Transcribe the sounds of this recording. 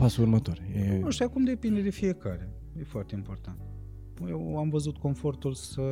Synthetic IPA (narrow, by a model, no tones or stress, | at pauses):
pasuuɾmɐt̪oɾɛnũʃt̪ɛkumd̪epẽnd̪ɨd̪ɨfiekaɾɐ | ɛfɔɾt̪ĩmpoɾt̪ɐ̃nt̪ | ewamvɐzut̪kõfoɾt̪ulsɨ